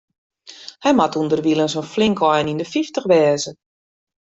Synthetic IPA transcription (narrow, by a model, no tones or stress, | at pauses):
hɛjmatundərʋilˠənsənflɪŋkɔjnindəfiftəxʋɛːzə